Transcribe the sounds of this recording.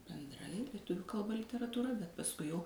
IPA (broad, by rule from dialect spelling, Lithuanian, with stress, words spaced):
bʲɛnˈdrɐɪ lʲiɛˈtʊʋʲʊ kɐlˠˈbɐ lʲɪtʲɛrɐtuːˈrɐ bʲɛt pɐsˈkʊɪ jɛʊ